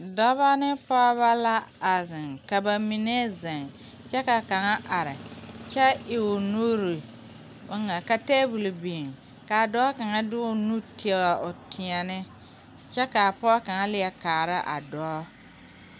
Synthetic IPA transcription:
dɔ˦βa˦nɪ˦pɔ˦βa˦la˦a˨zɪ˨ŋka˨ba˨mi˨ne˦zɪ˨ŋ | t͡ʃɛ˦ka˨ka˨ŋa˦ʔa˨ɾɪ˨t͡ʃɛ˦ɪ˨wʊ˨nu˦ɾi˨ | ʊ˦ŋa˨ka˨teː˦bu˨lbiː˨ŋ | ka˨a˨dɔ˦ka˨ŋa˦dɪ˦ʊ˦nu˦ti˦ɛ˨ɣa˨ʔʊ˨tʰɪ˨a˨nɪ˦ | t͡ʃɛ˦ka˨pɔ˦ka˨ŋa˦lɪ˦jɛ˦kaː˨ɾɪ˦ʔa̰˨dɔ˨˦

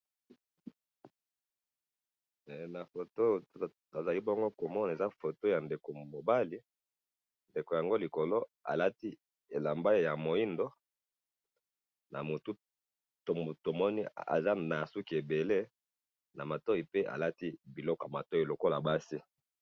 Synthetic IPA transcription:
ɛ˨na˨fo˨to˦˨ | a˨za˨li˦bo˦ŋɡo˦ko˨mɔ˦na˨e˨za˦fo˨to˦ja˨nde˨ko˨mo˨ba˦li˦ | nde˨ko˨ja˨ŋɡo˦li˨ko˨lo˦a̰˨la˦ti˦ | e˨la˨mba˦i˦ja˨mo˨i˦ndo˦ | na˨mo˨tu˦ | to˨to˨mɔ˦ni˦a̰˨za˦na˨su˦ki˨e˨be˨le˦ | na˨ma˨tɔ˦i˨pe˦ʔa̰˨la˦ti˦bi˨lɔ˦kɔ˨a˨ma˨tɔ˦i˨lo˨ko˦la˨ba˦si˦

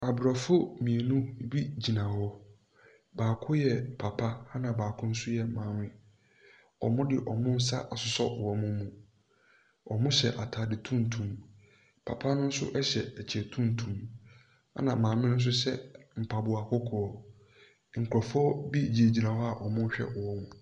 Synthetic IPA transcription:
a˨bɾɔ˨fʊ˦mĩ˨e˨nũ˦bi˦d͡ʑi˨nã˨hɔ˦ | baː˨kʰʊ˦jɛ˨pʰa˨pʰa˦a˦nã˨baː˨kʰʊ̃˦n̩˦sʊ˦jɛ˨mãː˨mɪ̃˦ | ɔ̰˨mʊ̃˦dɪ˨ʔɔ˨mʊ̃˦n̩˦sa̰˦ʔa˨sʊ˨sɔ̰˦˨wɔ˨mʊ̃˦mũ˨ | ɔ˨mʊ̃˦ɕɛ˨ʔa˨tʰaː˨dɪ˨tʰũ˦n̩˨tʰũ˨m | pʰa̰˨pʰa˦nʊ̃˦n̩˦sʊ̰˦ʔɛ˦ɕɛ˨ɛ˨t͡ɕʰɛ˨tʰũ˦n˨tʰũ˨m | a̰˦nã˨mãː˨mɪ̃˦nʊ̃˦s̬ʊ˦sɛ˦m̩˨pʰa˨bʊ˨a˨kʰɔ˦kʰɔ˨ɔ˨ | ŋ̩˨kʰɾɔ˨fɔ˦bi˦d͡ʑi˨e˨d͡ʑi˨nã˨hɔ˦a˨ʔɔ˨mʊ̃˦ɕᶣɛ̰˦ʔwɔ˦mʊ̃˨

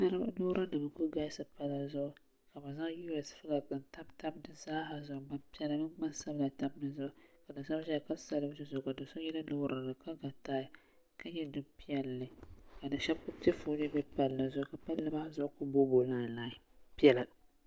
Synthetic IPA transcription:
na˦ɾɨ˦bno˦ɾa˦nɨ˨ma˨kʊ˦ɡa˦ɪ˦sɨ˨pa˦la˦zʊ˦ʔʊ˦ | ka˨ba˨za˦ŋ˦ju˦ɛ˨sfɨ˦la˨kɨ˨n˨ta˦bta˦bdɨ˦saː˦ha˨zʊ˨ʔʊ˨ba˦mpi˦ɛ˦la˨mɨ˦n˦ma˦nsa˦bla˨ta˦mnɨ˦zʊ˦ʔʊ˦˨ka˨dɨ˨nsa˦ʒɛ˦˨ka˦sa˦lɨ˦bzɨ˦zʊ˨ka˨dɨ˨so˦jɛ˦la˦no˦ɾa˨nɨ˨ka˦ɡa˨taː˦ɪ˨˦ | ka˦ɲɛ˦dɨ˨mpi˦ɛ˦lːɨ˦ka˨dɨ˨ʃɛ˦bkʊ˦tɛ˦fu˦nɨ˦bɛ˦pa˨lːa˨zʊ˦ʔʊ˦ka˨pa˦lːɨ˦ba˦zʊ˦ʔʊ˦kʊ˦bo˦bo˨laː˦˨laː˦˨ɪ˨ | pi˦ɛ˦la˨

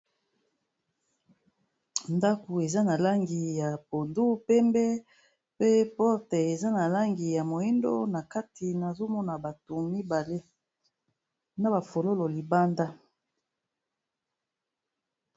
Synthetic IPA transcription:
nda˦ko˨e˨za˦na˨la˦ŋɡi˨ja˨po˨ndu˦pɛ˦mbɛ˦ | pe˦pɔ˦ʁtɛ˨e˨za˦na˨la˦ŋɡi˨ja˨mo˨e˦ndo̰˦na˨ka˦tʰi˨na˨zo˦mɔ˦na˨ba˨to˨mi˦ba˨le˦ | na˦ba˨fo˨lo˦lo˨li˨ba˦nda˦

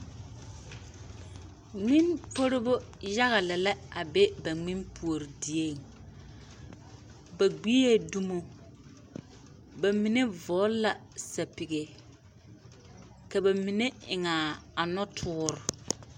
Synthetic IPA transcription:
ŋ͡mi˦npo˦ɾo˦bo˦ja˦ɣa˨lɛ˨la˦a˨be˦ba˨ŋ͡mi˦npʰu˨o˨ɾi˨di˨e˦˨ŋ | ba˨ɡ͡bi˦e˦du˦mo˨ | ba˨mi˨ne˦vɔː˨˦la˨sa˨pi˨ɡe˨ | ka˨ba˨mi˨ne˦ɪ˨ŋa˨a˨nɔ˦tʰʊː˦ɾʊ˨

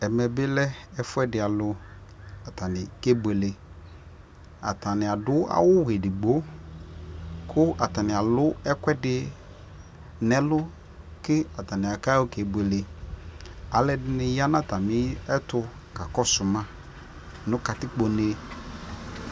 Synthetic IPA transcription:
ɛ˨mɛ˨bɪ˦lɛ˦ɛ˦fʊ˦ɛ˦dɪ˨a˨lʊ˨ | a˨ta˨nɪ˨ke˦bwe˨le˨ | a̰˨ta˨nɪ˨a˨dʊ˦a̰˦wʊ˦we˨dɪ˨ɡ͡bo˦ | kʰʊ˦a˨ta˨nɪ˨a˨lʊ˦ɛ˦kwɛ˦dɪ˨ | nɛ˦lʊ˦ | kɪ˦a˨ta˨nɪ̃˨a˨ka˦o˦ke˨bwe˨le˨ | a˨lɛ˦dɪ˦nɪ˨ja˦na˦ta˨mɪ˦ɛ˦tʊ˨ | ka˨kɔ˦sʊ˨mã˦ | nʊ̃˦ka˨tɪ˦k͡po˨ne˦

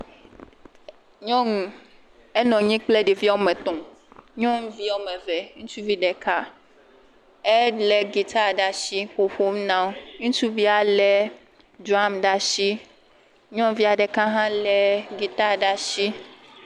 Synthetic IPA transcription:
ɲɔ̃˦ŋũ˨ | ɛ˦nɔ̃˨ɲĩ˦k͡ple˦ɖi˨vi˦a˦o˦mɛ̃˨t̪ɔ̃˨ɲɔ̃˦ŋ˦vi˦o˦mɛ̃˨vɛ˨ŋũ˦t͡ʃu˦vi˦ɖɛ˨ka˦ | ɛ˦lɛ˨ɡi˨t̪a˦ɖa˨ʃi˦ɸo˨ɸo˦mnã˦o˦ŋũ˦t͡ʃu˦vi˦a˨lɛ˦ | du˨˦a˦mɖa˨ʃi˦ | ɲɔ̃˦vi˦a˨ɖɛ˨ka˦ɦã˦lɛ˦ɡi˨t̪a˦ɖa˨ʃi˦

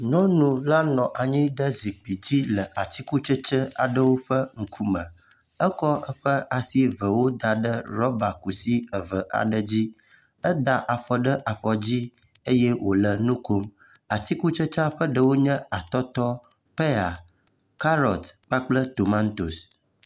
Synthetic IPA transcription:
nɔ̃˦nũ˨la˦nɔ̃˨ʔa˨ɲĩ˦ɖə˦zi˨k͡pi˨d͡ʑi˦lə˨ʔa˨t̪i˦ku˦t͡ʃə˦t͡ʃə˦a̰˨ɖə˦wo˦ɸə˦ŋ̩˨kʰu˦mə̃˨ | ə˦kɔ˦ʔə˦ɸə˦ʔa˨si˦və˨wo˦d̪a˨ɖə˦ɾɔ˦ba˨ku˨si˦ə˨və˨ʔa̰˨ɖə˦d͡ʑi˦ | ə˦d̪a˨ʔa˨fɔ˨ɖə˦ʔa˨fɔ˨d͡ʑi˦ | e˦jɛ˦wʔo̰˨lə˨nũ˦ko˦m | a˨t̪i˦ku˦t͡ʃə˦t͡ʃə˦a˦ɸə˦ɖə˦wo˦ɲə̃˦a˨t̪ɔ˦t̪ɔ˦ | pe˦a˨ | ka˦ɾɔ˨t̪k͡pa˦k͡plə˦t̪o˨ma˦nt̪o˨s

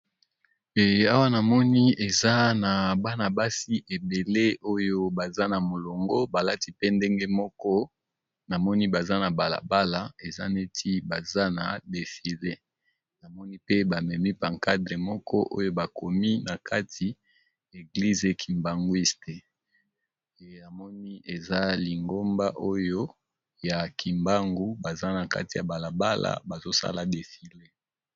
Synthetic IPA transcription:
e˨a˦wa˦na˨mɔ˦ni˦e˨za˦na˨ba˦na˨ba˦si˦ʔe˨be˨le˦o˦jo˦ba˨za˦na˨mo˨lo˨ŋɡɔ˦ba˨la˦ti˦pe˦nde˦ŋɡe˦mɔ˦kɔ˦ | na˨mɔ˦ni˦ba˨za˦na˨ba˨la̰˨ba˦la˨e˨za˦ne˦tʰi˦ba˨za˦na˨de˨fi˨le˦ | na˨mɔ˦ni˦pe˦ba˨mɛ˨mi˦pa˨ŋka˦dʁe˨mɔ˦kʰɔ˦ʔo˦jo˦ba˨kʰo˨mi˦na˨ka˦tʰi˨ | e˨ɡli˦ze˨kʰi˨mba˨ŋɡwi˦ste˨ | na˨mɔ˦ni˦e˨za˦li˨ŋɡo˦mba˦ʔo˦jo˦ | ja˨kʰi˨mba˦ŋɡu˦ba˨za˦na˨ka̰˦ti˨ja˨ba˨la˨ba˦la̰˨ba˨zo˦sa̰˦la˨de˨fi˨le˦

